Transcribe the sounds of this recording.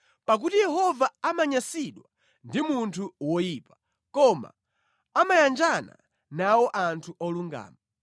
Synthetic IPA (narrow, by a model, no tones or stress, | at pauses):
pak̬utijɛɦɔvaamaɲasiɗwa | ndimuntʰuwɔjiːpḁ | kɔma̰ | amajand͡ʒana̰ | nawɔʔantʰuʔɔluŋɡa̰ːma